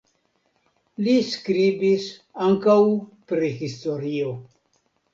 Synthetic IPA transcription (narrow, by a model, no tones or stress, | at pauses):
liskɾibisaŋkawpɾihisto̞ɾio